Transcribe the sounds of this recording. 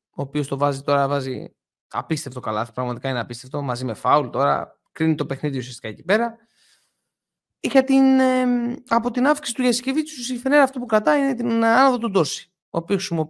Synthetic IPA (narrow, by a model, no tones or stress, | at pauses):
oːpio̞st̪o̞vɐzit̪o̞ɾɐvɐzḭ | ɐ̰pist̪e̞ft̪o̞kɐlɐ̰θpɾɐɣmɐt̪ikɐineɐpist̪e̞ft̪o̞mɐzime̞fɐult̪o̞ɾɐ̰ | kɾinit̪o̞pe̞xniðiusiɐst̪i̥kɐecipe̞ɾɐ | ixɐt̪in | ɐpo̞t̪inɐfksi̥si̥t̪uʝɐsi̥cevit͡susiθeneɾɐft̪opukɾɐt̪ɐinet̪inɐnɐðot̪od̪o̞si̥ | oːpiosxisimo